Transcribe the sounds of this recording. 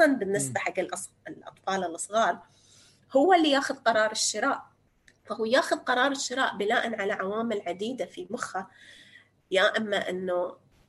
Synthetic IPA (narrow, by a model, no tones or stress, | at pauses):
ɑnbɪnːɪsbaħaɡːɪlʔˤ | ɪlʔɑ̰t̪ˤfɑːlɪlʔɑsˤɣɑːɾˤ | hʊwːalːijaːxʊðqɑɾˤɑːɾˤɪʃːɪɾɑːʔ | fahuːjaːxʊðqɑɾˤɑːɾˤɪʃːɪɾɑːʔbɪlaːʔanʕalaʕawaːmɪlʕad̪iːd̪afimʊxa | jaːʔɪmːaʔɪnːu